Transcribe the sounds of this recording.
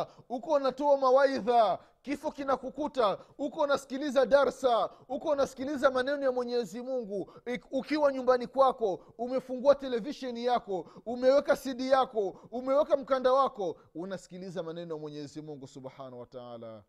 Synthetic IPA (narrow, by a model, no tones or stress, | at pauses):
hukɔunatɔamawaiða | kifɔkinakukutahukɔunasi̥kilizaɗaɾsahukɔunasi̥kilizamanɛnɔjamwɛɲɛzimuŋɡuːkiwaɲumbanikwakɔ | umɛfuŋɡuatɛlɛviʃɛnijakɔumɛwɛkasiɗijakɔumɛwɛkam̩kandawakɔ | unasi̥kilizamanɛnɔjamwɛɲɛzimuŋɡusubhanawataa̰ːla̰